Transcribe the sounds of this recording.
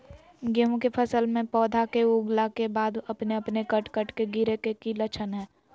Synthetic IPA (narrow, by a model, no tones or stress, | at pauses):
ɡeɦõkepʰəsəlmẽpɔːd̪ʱakeuːɡlakebaːd̪ɐpneɐpnekəʈkəʈkeɡɪɾekekilət͡ʃʰənɦɛː